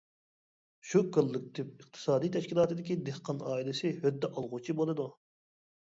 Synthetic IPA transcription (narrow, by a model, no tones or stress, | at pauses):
ʃukʰɨlˠːɨk̚ʲt̪ʰɪp̚ɨqt̪ʰɨ̥sɑːd̪ijt̪ʰɛʃkʲilˠɑːt̪ʰɨd̪ɪkʲid̪ehqʰɑnɑːilˠɪsɪhød̪ːɛʔɑlˠʁʊt͡ʃʰibolˠɨd̪u